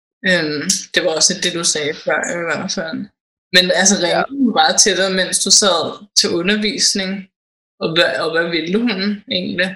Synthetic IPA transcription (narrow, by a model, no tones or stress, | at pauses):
ømd̥e̝ʋɑ̈ɒ̽sle̝d̥̚d̥e̝d̥usɛːfɶɐ̰iʋæɐ̰fæl̰ | menæls̬əʁɛ̥mɑ̈ːð̩ˠt͡sʰed̥ɐmen̰sd̥usæð̰ˠt͡sʰe̝ʔɔ̽nɐʋḭːsne̝ŋ | ɒ̽ʋæɒʋæʋe̝ləhune̝̰ːnli